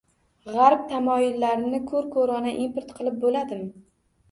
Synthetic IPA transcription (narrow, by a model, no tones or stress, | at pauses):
ʁaɾp̚t̪ʰamɒjɪlːaɾɪnɪkʰɵɾkʰoɾɒnaʔimpoɾt̪qʰɨlˠɪp̚bolad̪ɪm